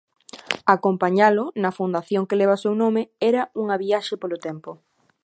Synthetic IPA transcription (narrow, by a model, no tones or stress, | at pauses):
akompaɲalʊnɐfund̪aθjoŋkeleβ̞ɐsewnomeɛɾɐuŋɐβiaʃepolot̪ɛmpʊ